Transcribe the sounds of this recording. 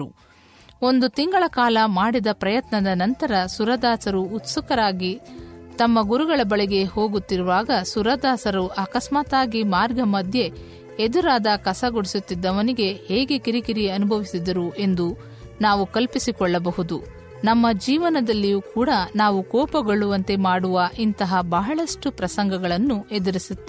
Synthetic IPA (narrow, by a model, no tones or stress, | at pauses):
u | o̞nd̪ut̪iŋɡɐɭɐkaːlɐmaːɽid̪ɐpɾɐjɐt̪nɐd̪ɐnɐnt̪ɐɾɐsuɾɐd̪aːsɐɾuːt̪sukɐɾaːɡit̪ɐmːɐɡuɾuɡɐɭɐbɐɭɛɡe̞ho̞ːɡut̪ːiɾuʋaːɡɐsuɾɐd̪aːsɐɾuʔɐkɐsmaːt̪aːɡimaːɾɡʱɐmɐd̪ʱje̞ | ed̪uɾaːd̪ɐkɐsɐɡoɽisut̪ːid̪ːɐʋɐniɡe̞heːɡe̞kiɾikiɾiɐnubʱɐʋisid̪ɐɾuʔe̞nd̪u | naːʋukɐlpisikɔɭːɐbɐɦud̪u | nɐmːɐd͡ʒiːʋɐnɐd̪ɐlːijuːkuːɽɐnaːʋukɔːpɐɡoɭuʋɐnt̪e̞maːɽuʋɐʔint̪ɐɦɐbɐɦɐɭɐʂʈupɾɐsɐŋɡɐɡɐɭɐnːue̞d̪ɐɾisut̪ːe